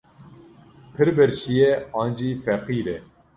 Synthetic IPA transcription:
pʰɨɾbɛɾʃijɛɑːnd͡ʒiːfɛqiːɾɛ

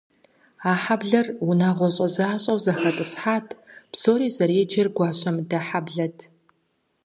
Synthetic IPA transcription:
aːħabɮɐrunaːʁʷɔɕʼɐzaːɕʼɐwzɐxɐtʼɨsħaːtʰpsoːɾiːzɐɾeːd͡ʒɐrɡʷɑːɕʷʼɐmdɐħabɮɐtʰ

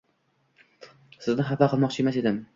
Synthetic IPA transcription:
sɪznɪɦapaqʰɨlˠmɒqt͡ʃʰe̞mase̞d̪ɪm

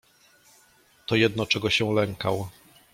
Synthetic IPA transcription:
t̪ɔjɛd̪nɔt͡ʂɛɡɔɕɛw̃lɛŋkaw

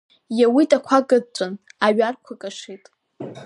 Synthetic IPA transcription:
jawitʼakʷʰaɡʼɨt͡sʷʼɨnaɥarkʷʰakʼaʂijtʼ

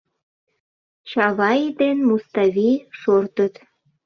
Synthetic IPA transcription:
t͡ɕɑβɑjid̪enmust̪ɑvʲiʃort̪ət̪

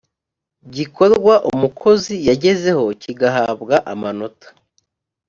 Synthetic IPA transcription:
bɟikʰo̞ɾɡwaʔumukʰo̞zijaɟe̞ze̞ho̞ciɡaɦaːbɡaʔamano̞tʰḁ

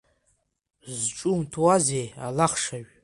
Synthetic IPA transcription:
zʈ͡ʂʼumtʰuwazejalaχʂaʒ

